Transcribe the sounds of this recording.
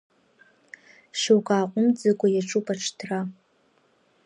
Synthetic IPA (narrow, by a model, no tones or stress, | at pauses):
ʃowkʷʼaːqʷʼʊmd͡zakʷʼajaʈ͡ʂʼupʼaʈ͡ʂʰtʰra